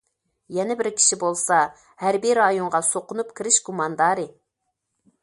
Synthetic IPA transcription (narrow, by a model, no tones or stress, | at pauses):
jɛnɛbɪɾkʲʰi̥ʃibolˠsɑ | hæɾbiɾɑjoɴʁɑsoqʊnup̚kʲʰiɾɪʃɡumɑnd̪ɑːɾɨ